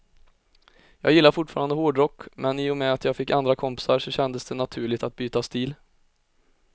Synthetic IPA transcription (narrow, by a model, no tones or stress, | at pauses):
jɑːɡjɪlːaɾfʊʈːfɑːɾand̪əhoːɖɾɔkːmʔɛniːɔmɛat̪jɑːɡfɪkːand̪ɾakʰɔmpɪ̥saɾʂɔɕɛnd̪əsd̪ɛnat̪ʰʉ̟ːɭɪɡt̪at̪̚byːt̪ast̪iːl